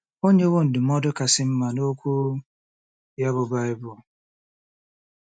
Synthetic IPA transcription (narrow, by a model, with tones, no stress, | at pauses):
o˦ɲe˦wo˦n̩˨dɪ˨mɔ˦dʊ˦ka˨sɪ˦m̩˦ma˨no˦kʷu˦ | ja˦bʊ˨ba˦ɪ˦bʊ˨